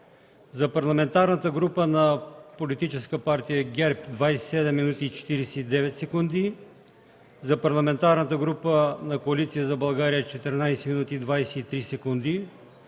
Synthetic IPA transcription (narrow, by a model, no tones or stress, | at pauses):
zɐpɐɾlˠɐmɛnt̪aɾnət̪əɡɾupənɐpolit̪it͡ʃɛskəpaɾt̪ijəɡʲɛɾpd̪vajssɛd̪ɛmːinut̪iːt͡ʃɛ̥t̪iɾɛsɛid̪ɛvɛt̪sɛkund̪i | zɐpɐɾlˠɐmɛnt̪aɾnət̪əɡɾupənɐkoɐlit̪sijəzɐbɐlˠɡaɾijət͡ʃɛt̪ɛɾnajsɛminut̪iːd̪vajsɛit̪ɾisɛkund̪i